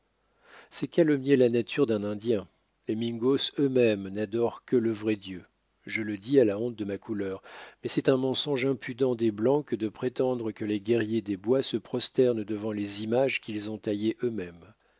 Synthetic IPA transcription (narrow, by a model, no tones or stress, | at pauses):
sɛkalɔmjelanat̪ʰyʁd̪ɛ̃nɛ̃d̪jɛ̃ | lemiŋɡosømɛmnad̪ɔʁkələvʁɛd̪jø | ʒələd̪ialaɔ̃t̪̚d̪əmakulœʁmɛsɛt̪ɛ̃mɑ̃sɔ̃ʒɛ̃pyd̪ɑ̃d̪eblɑ̃kəd̪əpχet̪ɑ̃d̪ʁəkəleɡʲɛʁjed̪ebwasəpχɔst̪ɛʁnd̪əvɑ̃lezimaʒkʲilzɔ̃t̪ajeʔømɛm